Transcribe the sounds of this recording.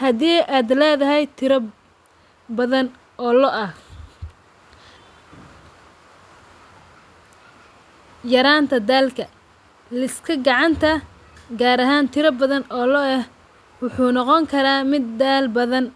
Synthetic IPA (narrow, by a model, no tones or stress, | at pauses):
hɐðiːʔaːd̪lɛːðɐɦɛjt̪ʰɪɾɐ | bɐðɐn | ʔɔːlɔʔɐh | jɐɾaːnt̪ʰɐd̪aːlkʰɐ | lɪskʰɐɡɑʕɑnt̪ʰɐ | ɡaːɾɐɦaːnt̪ʰɪɾɐbɐðɐnɔːlɔɐh | wʊħuːnɑqɔŋkʰɐɾaːmɪd̪ːaːlbɐðɐn